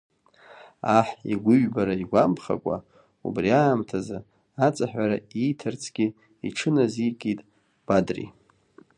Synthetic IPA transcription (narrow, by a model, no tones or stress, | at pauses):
aħḭɡʷʊɥbaɾaiɡʷampʰχa̰kʷʼa̰ | ṵbriaːmtʰaza | at͡sʼaħᶣʷaɾaijtʰɨrt͡sʰɡ̥ʲɪ | iʈ͡ʂʰɨnazikʼitʼ | b̥adrḭ